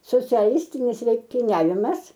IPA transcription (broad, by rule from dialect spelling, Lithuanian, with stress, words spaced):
soːt͡sʲɛˈlʲɪsʲtʲɪnʲɪs lʲɛŋktʲɪˈnʲæːʋʲɪmɐs